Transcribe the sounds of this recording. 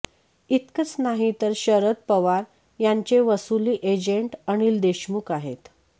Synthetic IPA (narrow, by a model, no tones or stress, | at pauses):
it̪kət͡snaɦit̪əɾɕəɾət̪̚pəʋaɾ | jaɲt͡ɕeʋəsuliːʔed͡ʑeɳʈəɳ̃iːld̪eɕmukaɦḛt̪